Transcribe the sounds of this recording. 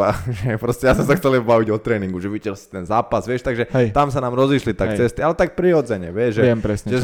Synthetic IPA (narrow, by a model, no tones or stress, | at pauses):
aʒɛpɾɔscɛjasmɛsaxt͡sɛliɛbbaʋiɟɔt̪ɾɛːniŋɡuʒɛʋicɛst̪ɛnzaːpazʋɪɛʃt̪aɡʒɛt̪amsanaːmɾɔziʃlit̪akkt͡sɛst̪ialɛt̪ak̚pɾiɔd͡zɛɲɛʋɪɛʒɛpɾɛsɲʒɛ